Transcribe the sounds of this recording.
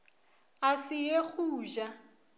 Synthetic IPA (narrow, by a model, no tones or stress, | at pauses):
asɪjek͡xuːʒa